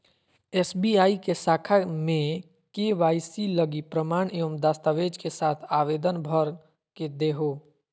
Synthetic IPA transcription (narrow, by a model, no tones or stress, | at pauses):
ɛːsbiaːikesaːkʰamẽ | keʋaːɪsiləɡipɾəmaːɽeomd̪aːst̪aʋeːd͡ʒkesaːt̪ʰaːʋeːd̪ənbʱəɾ | ked̪eɦoː